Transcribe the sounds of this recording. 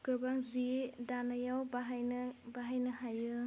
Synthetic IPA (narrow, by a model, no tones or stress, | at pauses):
kɯbaŋzidanajawbaɦjnbaɦajnɯɦajɯ